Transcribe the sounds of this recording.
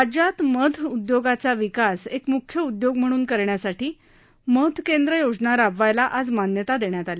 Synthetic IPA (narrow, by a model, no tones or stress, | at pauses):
ad͡ʑat̪məd̪ʰʱud̪joɡat͡saʋikasekmukʰjəud̪joɡ̚m̤əɽ̃uːnkəɾɳjasaʈiː | məd̪ʰʱkend̪ɾəjod͡znaɾabʋajlaʔad͡zmanjət̪ad̪eɳjat̪ale